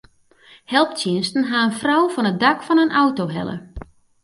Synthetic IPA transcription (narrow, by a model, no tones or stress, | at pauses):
hɛlˠptjɪnstn̩ɦaənfrawfɔnət̚dakfɔnənʔawtowɦɛ̰lˠə̰